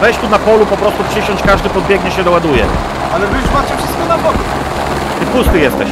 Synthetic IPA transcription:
vɛjɕt͡ɕt̪unapɔlupɔpɾɔst̪upʂɘɕɔɲt͡ɕkaʐd̪ɘpɔd̪̚bʲjɛɡɲɛɕɛd̪ɔwad̪ujɛ̰ | alɛvɘzmat͡ɕɛfʂɨst̪̚kɔnabɔɡu | t̪ɘpust̪ɘjɛst̪ɛɕ

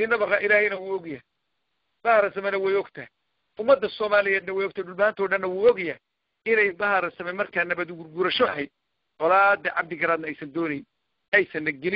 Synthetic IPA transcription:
iːnɐβɐqɑʔɪlæːhɛjnɐwuːɔɡja | b̥ɐhɐɾɐsɐmɛnɐwɛjɔɡt̪ʰɐhi | ʔʊmːɐd̪ːɐsɔːmaːlɪjɛːd̪nɐwɛjɔɡ̚t̪ʰaːjɖʊlmɐhaːnt̪ʰɔːɖɐnːɐwuːɔɡɛja | ɪnɛjbɐɦɐɾɐsɐmɛmɐrkʰaːnɐbɐd̪ɡʊrɡʊɾɐʃɔɐɦɛjd̪̚ | ʔɔlaːd̪ɐʕɑ̰b̚d̪ɪɡɐɾaːd̪nɐɛjsɐnd̪ɔːnɛjn | ʔɛjsɐnːɐɡɛlɪ

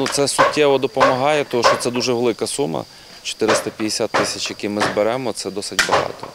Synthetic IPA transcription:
nut̪sɛsʊtʲːɛʋɔd̪ɔpɔmɐɦɑjɛt̪ɔɦɔʃt͡ʃɔtsɛd̪uʒɛʋelˠɪkɐsumɐ̰ | t͡ʃɔ̥t̪ɪɾɪst̪ɐpʲijesʲat̪ːɪsʲɐt͡ʃjɐkʲimɪzbeɾɛmɔt̪sɛd̪ɔsɪtʲbɐɦɑ̰t̪ɔ̰

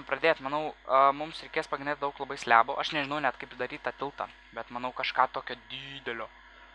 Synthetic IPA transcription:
pɾɐd̪ʲeːt̪mɐnɐʊmʊmsɾʲɛɪkʲeːspɐɡʲɾɪnʲeːt̪d̪ɐʊklˠɐbɐɪsʲlʲæ̰ːboːʔɐʃnʲɛʒʲɪnɐʊnʲɛt̪kɐɪpid̪ɐɾʲiːt̪ɑt̪ʲɪlˠt̪ɑ̰ | bʲɛt̪mɐnɐʊkɐʃkɑːt̪oːkʲoːd̪ʲiːd̪ʲɛlʲoː

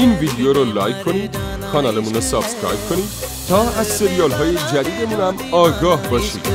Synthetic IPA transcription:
inbʱidijoɾolajk̚ʰpʰʌni | kʰʌnalɐmunʌsʌbskɾa̰jb̚kʰʌni | t̪ʰʌaseɾijʌlɦʌjed͡ʒaɾiɡemɾamʌɡʌɦbʌsʰḭ

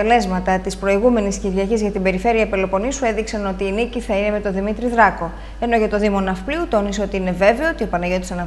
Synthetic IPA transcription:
ele̞zmɐt̪ɐt̪ispɾo̞iɣume̞nisciɾʝiɐcizʝɐt̪ibe̞ɾife̞ɾiɐpelo̞po̞nisue̞ðiksɐno̞t̪iːniciθɐine̞me̞t̪o̞ðimit̪ɾiðɾɐko̞ | e̞no̞ʝɐt̪o̞ðimo̞nɐfpliut̪o̞niseo̞t̪iine̞ve̞veoot̪io̞pɐnɐʝo̞t̪isɐnɐ

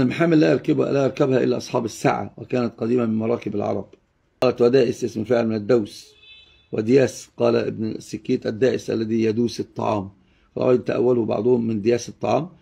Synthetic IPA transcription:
lmaħaːmɪlːæʔɑɾˤkɪblæʔɑɾˤkæbhæʔɪ̰lːæʔɑsˤħɑːbɪsːa̰ʕa̰wæ̰kæːnæt̪̚qɑd̪iːmamɪnmɑɾˤɑːkɪbalʕɑ̰ɾˤɑb̥̚ | qɑːlæt̪wæd̪æːʔɪsʔɪsmfɪʕɪlmɪnɪd̪ːæws | wɪ̰d̪ɪjæːsqɑːlæʔɪ̰bnsːɪkːiːt̪ʔæd̪ːæːʔɪsʔæ̰lːæðiːjæd̪uːsɨt̪ˤːɑ̰ʕɑ̰ːm | xɑ̰lʔɑ̰ʔæjɪnt̪aʔæ̰wːælʊbɑ̰ʕd̪ˤʊhʊmːɪnd̪ɪjæːsɨt̪ˤːɑʕɑːm

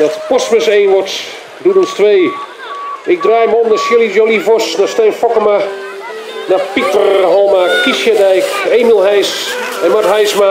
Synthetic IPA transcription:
dɔtpɔsməseːnʋɔt | dudɔnstʋeː | ɪk̚draːjməɔmdəsjɪlˠijolifɔsnastɛjnfɔkəma | napitərɦɔlˠmakisjadɛjkeːmilˠɦɛjsɛnmatɦɛjsma

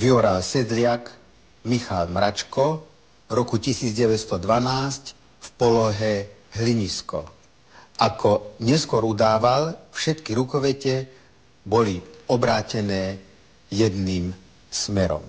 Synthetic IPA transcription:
ʋiɔɾalsɛd̪lɪak | mixalmɾat͡ʃkɔ | ɾɔkucisiːd͡zɟɛʋɛcst̪ɔd̪ʋanaːsc | fpɔlɔɦɛɦliɲiskɔ̰ | ʔakʰɔɲɛskʊɔɾud̪aːʋalfʃɛt̪kiɾukɔʋɛcɛ | bɔliɔbɾaːcɛnɛː | jɛd̪niːm | smɛɾɔ̰m

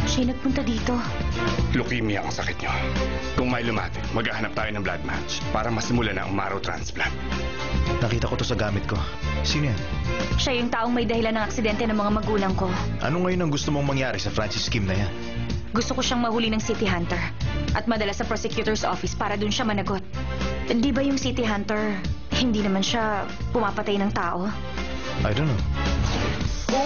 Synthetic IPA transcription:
ʃɐjnɐɡ̚pʊnt̪ɐd̪iːt̪o̞ | lʊkimija̰ʔɐŋsɐkɪt̪̚ɲo | kʊŋmɐjlʊma̰ːt̪ɪt̪mɐɡaːhɐnap̚t̪aːjonɐŋbla̰d̪̚ma̰t͡ʃ | paːɾɐmɐsɪmʊlanɐ̰ʔɐ̰ŋma̰ɾɐwt̪ɾa̰nspla̰nt̪̚ | nɐkiːt̪ɐkot̪o̞sɐɡaːmɪt̪̚ko̞ | sinjanʃajʊŋt̪aːʔoŋmɐjd̪ɐhɪlanɐŋɐksɪd̪ɛnt̪ɛnɐŋmɐŋamɐɡuːlɐŋko̞ | ʔɐ̰noŋɐjonɐŋɡʊst̪omoŋmɐŋjaːɾɛsɐfɾant͡ʃɪskimnɐjan | ɡʊst̪okoʃaŋmɐhulinɐŋsit̪ɪɦant̪ɛɹʔɐt̪̚mɐd̪ɐlasɐpɾosɛkjut̪ɛɹsʔo̰fɪspaːɾɐd̪ʊnʃamɐnɐɡo̞t̪̚ | hɪnd̪iːbɐjʊŋsit̪ɪɦant̪ɛɹ | hɪnd̪iːnɐmanʃa | pʊmaːpɐt̪ajnɐŋt̪aːʔo̞ | ʔɐ̰jd̪ono

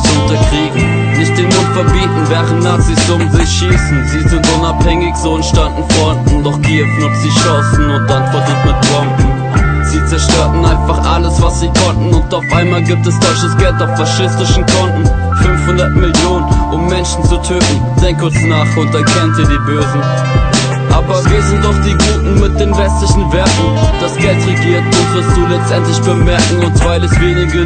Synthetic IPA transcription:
sʊntɐkʁ̥iːɡŋ̩ | nɪçt̚d̥enlʊfɛɐbiːtn̩vɛːʁənnaɐt͡sisʊmzɪçʃiːsn̩ziːzɪntʔʊnaphɛŋɪçz̥oːɛnʃtandn̩fɔandn̩dɔχɡ̥ifnətz̥iːʃɔsn̩ʊnt̚d̥antfaɐzuːtmɪt̚b̥ʁɔmkŋ̩ | z̥iːt͡sɛɐʃtøːɐtn̩aɪnfaχʔa̰ləsv̥asz̥iːkʰɔntn̩ʊntaʊfʔaɪnmaːlɡiːp̚tɛsz̥ɔlçəsɡ̥ɛltaʊffaʃɪstɪʃn̩kʰɔntn̩ | fʏnfhʊndɐtmɪljoːnənʔʊmːɛnʃn̩t͡sutʰøːtn̩ | d̥ɛŋkʰʊt͡snaːχʊnt̚ɛɐkʰɛnənziːɐdiːbøːzn̩ | ʔaːbɐviːɐzɪntaʊfd̥iːɡuːtn̩mɪt̚d̥eːnvɛstlɪçn̩vɛɐtn̩d̥asɡ̥ɛltʁeɡiːɐt̚d̥ov̥ɪɐstd̥uːlɛt͡stʔɛntlɪçb̥əmɛɐkŋ̩ʊnsv̥aɪləsv̥eːnɪɡə

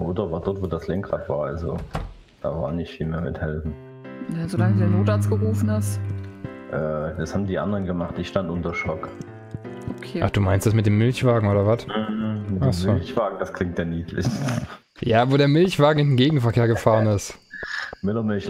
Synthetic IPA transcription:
oːdɐvaːɐdɔtv̥oːdaslɛŋkʁatv̥aːɐalzo | d̥a̰ːva̰ːɐnɪçtfiːlmeːɐmɪthɛlfn̩ | nzolaŋədudeɐnoːtat͡sɡ̥əʁuːfn̩ɪst | ʔɛːd̥ashabm̩diːʔa̰ndəʁənɡəmaχt̚d̥ɪçʃtantʔʊntɐʃɔk | ʔokʰeːʔa̰χd̥uːmaɪnstd̥asmɪt̚d̥eːmɪlçv̥aːɡŋ̩ʔoːɾɐvatm̩hm̩mɪtasmolçv̥aːɡŋ̩daskʰl̥ɪŋtjaːniːtʰlɪ̰ç | jaːvoːɾeːɐmɪlçv̥aːɡŋ̩ɪndeːnɡeːɡŋ̩fɛɐkʰeːɐɡəfaːʁənɪst | mɪlɐmɪlç

